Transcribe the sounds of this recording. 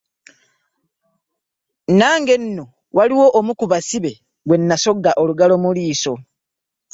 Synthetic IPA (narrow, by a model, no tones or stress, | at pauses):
naːŋɡe̞nːo | waliwo̞ʔomukuβasiβe̞ | ɡwe̞nːaso̞ɡːaʔoluɡalo̞muliːso̞